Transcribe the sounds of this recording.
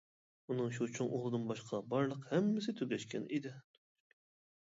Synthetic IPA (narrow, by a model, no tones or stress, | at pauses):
unɨŋʃut͡ʃʰoŋʔolˠɨd̪ɨnbɑʃqʰɑbɑɾlˠəqhɛmːɪs̬ɪt̪ʰyɡʲɛʃkʲɛ̰nid̪ɪ